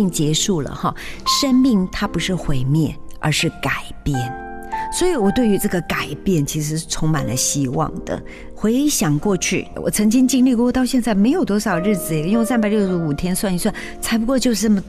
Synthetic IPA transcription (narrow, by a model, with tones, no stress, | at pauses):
ŋt͡ɕjɛ˧˥ʂu˥˩lə̰˩xɑ̰˧˩ʂə˥ŋmi˥˩ŋt̪ʰa˥pu˧˥ʂɻ̩˥˩xwe˧˥ɪmjɛ˥˩nə̰˧˥ʂɻ̩˥˩ka˨˩ɪpjɛ˥˩n | swɔ˧˥i˧˥wɔ˨˩t̪we˥˩ɪy˧˥ʈ͡ʂɤ˥˩ɡə˩ka˨˩ɪpjɛ˥˩nt͡ɕʰi˧˥ʂ̬ɻ̩˧˥ʂɻ̩˥˩t͡sʰʊ˧˥ŋma̰˨˩nd̪ə̰˦ɕi˥wɑ̰˥˧ŋd̪̥ə̰˩ | xwe˧˥ɪɕjɑ˨˩ŋkwɔ˥˧t͡ɕʰy̰˥˩wʔɔ̰˨˩t͡sʰɤ˧˥ŋt͡ɕi˥ŋt͡ɕi˥ŋli˥˧kɔ˥˧˩wɔ˥˩t̪ɑ˥˧ʊɕjɛ˥˧nt͡sa˥˩ɪme˧˥ɪjo˨˩ʊt̪wɔ˥ʂɑ˨˩ʊd̪ə˦ɻ̩˥˩d͡zɹ̩˨˩ɛ˧˩˧sa˥npa˨ɪljo˥˧ʊʂ̩˧˥u˨˩t̪ʰjɛ˥nswa˥˧ni˧˥swa˥˩n | t͡sʰa˧˥ɪp̬u˧˥kwɔ˥˧t͡ɕjo˥˧ʊʂɻ̩˥˩nɤ˥˩mə˩